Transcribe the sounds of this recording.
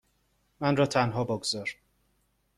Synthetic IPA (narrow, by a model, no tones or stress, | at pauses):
mænrɒːt̪ʰænɦɒːbɒɡzɒːɾ